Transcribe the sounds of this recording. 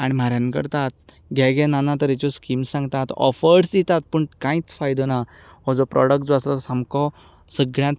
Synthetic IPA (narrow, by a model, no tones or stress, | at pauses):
aɽ̃imaɾjãnkə̰ɾt̪at̪̚ | ɡʱɛɡɛnanat̪əɾɛt͡ɕɔskimsãŋɡt̪at̪ɔ̰fəɾsd̪it̪at̪̚pəɳkãit͡sfajd̪ɔna | ɦɔd͡zɔpɾɔ̰ɽək̚ʈd͡zasɔsamkɔ | səɡɭjãt̪̚